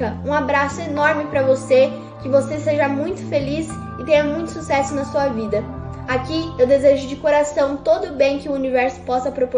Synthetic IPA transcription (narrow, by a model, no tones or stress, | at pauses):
ɐũabɾasʊenɔɾmɪpɾɐvose | kɪvoseseʒɐmũj̃t̪ʊ̥felis | ɪt̪ẽɲɐmũj̃t̪ʊ̥susɛsʊnɐsuɐvid̪ɐakiewd̪ezeʒʊd͡ʒɪkoɾasɐ̃w̃t̪od̪ʊbẽj̃kɪʊunivɛɾsʊ̥pɔsɐpɾopo